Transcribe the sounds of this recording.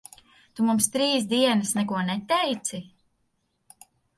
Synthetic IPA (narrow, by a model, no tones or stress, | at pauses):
t̪umumst̪ɾiːsd̪iɛnasnɛkuɔnɛt̪ɛjt̪si